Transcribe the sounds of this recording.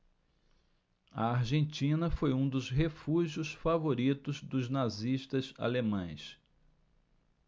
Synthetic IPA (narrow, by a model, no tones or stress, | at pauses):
ɐ̰aɾʒẽnt͡ʃĩnɐfojũd̪ʊzɦefuʒijʊsfavoɾit̪ʊzd̪ʊznaziʃt̪ɐza̰lemɐ̃j̃s